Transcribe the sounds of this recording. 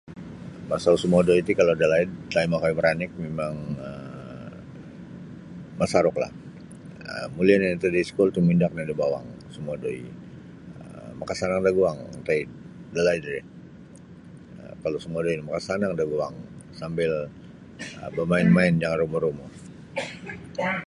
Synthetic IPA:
masausəmuadoit̪ukalodalaidlaimakaiməɾanɪk̚memaŋə | masaɾʊkla̰h | ə̰mulianait̪udiskult̪umindak̚nadabawa̰ŋ | səmuadoḭ | əmakasanaŋdaɡuaŋ̰t̪ai | dalaidra | əkalosəmuadoinimakasanaŋdaɡuaŋsambɪl | əbamaɪnmaɪnd͡ʒaŋanruməɾumɔ

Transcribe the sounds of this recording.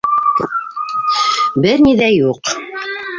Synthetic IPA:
bɘɾniðæjuq

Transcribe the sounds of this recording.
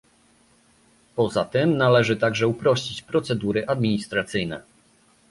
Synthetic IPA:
pɔzat̪ɘmnalɛʐɘt̪aɡʐɛupɾɔɕt͡ɕit͡ɕpɾɔt̪sɛd̪uɾɘʔad̪mʲiɲist̪ɾat̪sɘjnɛ̰

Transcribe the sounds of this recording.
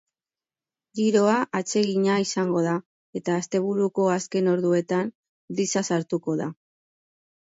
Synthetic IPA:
ɡiɾo̞aʔat͡se̞ɣiɲaisaŋɡo̞ð̞a | e̞t̪aːst̪e̞β̞uɾuko̞aske̞no̞ɾðue̞t̪an | d̪isasaɾt̪uko̞ða

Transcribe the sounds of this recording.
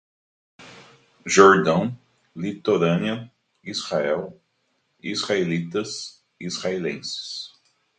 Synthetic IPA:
ʒoɾd̪ɐ̃w̃ | lit̪oɾɐ̃nɐ | ishaɛl | izʁaelit̪ɐz | izhaelḛ̃sɪ̥s

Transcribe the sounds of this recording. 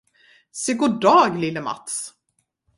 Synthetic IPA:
seɡʊɖɑːɡlɪlːəma̰t̪s

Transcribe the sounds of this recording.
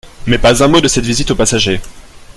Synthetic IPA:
mɛpazɛ̃mod̪əsɛt̪vizit̪opasaʒe

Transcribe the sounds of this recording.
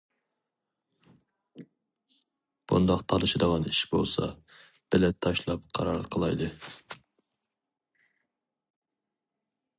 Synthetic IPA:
b̥ṵnd̪ɑqt̪ʰɑlˠɨʃɨd̪əʁɑniʃbo̰lˠsɑ̰ | b̥ɪlɛt̪ʰːɑʃlˠɑp̚qʰɑɾɑɾqʰəlˠɑjd̪ɨ

